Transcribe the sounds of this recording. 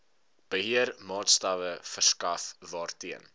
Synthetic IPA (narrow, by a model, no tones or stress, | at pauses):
b̥əɦiərmɑːtstɐvəfərskɐfvɑːrtiən